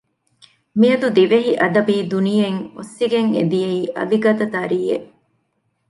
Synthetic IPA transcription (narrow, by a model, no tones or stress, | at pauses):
miɐd̪ud̪iʋeɦiʔɐd̪ɐbiːd̪unijeŋosːiɡeŋḛd̪ijeiːʔɐ̰ʋiɡɐt̪ɐt̪ɐɾiːḛʔ